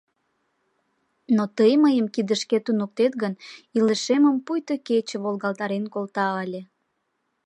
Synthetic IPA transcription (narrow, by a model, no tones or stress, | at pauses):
not̪əjməjəmkid̪əʃket̪unuk̚t̪et̪ɣəniləʃeməmpujt̪oket͡ɕə̆βolɣɑlt̪ɑɾenkolt̪ɑəlʲe